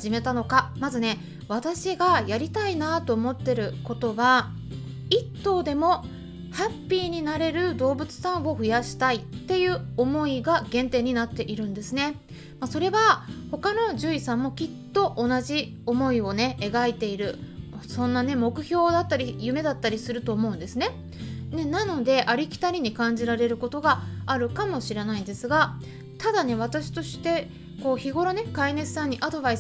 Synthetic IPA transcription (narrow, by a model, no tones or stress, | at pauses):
aʑime̞t̪ano̞kamazɨne̞ | β̞at̪aɕiɡajaɾʲit̪ainat̪o̞ːmo̞t̪ːe̞ɾɯ̟ko̞t̪o̞βa | it̪ːo̞ːd̪e̞mo̞ | hapʲːiːɲ̟inaɾe̞ɾɯ̟d̪o̞ːbɯ̟t͡sɨ̥sãɰ̃o̞ɸɯ̟jaɕi̥t̪ait̪ːe̞jɯ̟ːo̞mo̞iɡaɡẽ̞nt̪e̞ːɲ̟inat̪ːe̞ʔiɾɯ̟̃nd̪e̞sɨne̞ | maso̞ɾe̞βaho̞kano̞ʑɨːisãmːo̞kʲit̪ːo̞ʔo̞naʑi | o̞mo̞io̞ne̞e̞ɡait̪e̞iɾɯ̟sõ̞nːane̞mo̞kɯ̟çʲo̞ːd̪at̪ːaɾʲijɯ̟me̞d̪at̪ːaɾʲisɨɾɯ̟t̪o̞ːmo̞ɯ̟̃nd̪e̞sɨne | ne̞nano̞d̪e̞ʔaɾʲikʲi̥t̪aɾʲiɲ̟ikãɲ̟d͡ʑiɾaɾe̞ɾɯ̟ko̞t̪o̞ɡaːɾɯ̟kamo̞ɕiɾe̞naĩnd̪e̞sɨɡa | t̪ad̪ane̞βat̪aɕi̥t̪o̞ɕi̥t̪e̞ | ko̞ːçiɡo̞ɾo̞ne̞kaine̞sɨ̥sãɲ̟ːiʔad̪o̞bais